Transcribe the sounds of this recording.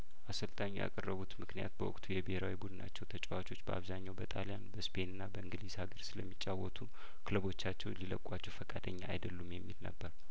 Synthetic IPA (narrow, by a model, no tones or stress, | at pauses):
ʔasəlt̪ʼaɲːuja̰kʼərːəβut̪mɨknija̰t̪̚bəwɔkʼt̪ʰujɛbheɾawibud̪ɨna̰t͡ʃːɛwt̪ʰət͡ʃʼwat͡ʃʰo̞t͡ʃːbəʔaβzaɲːawbət̪ʰʼalijanbəspʰe̞nɨnːabəɨŋɡɨlizhaɡəɾsɨləmːit͡ʃʼːawɔt̪ʰu | kʰɨləβo̞t͡ʃːat͡ʃːɛwliləkʼat͡ʃːɛwfəkʼad̪əɲːaːjd̪əlːumjɛmːilnə̰bːəɾ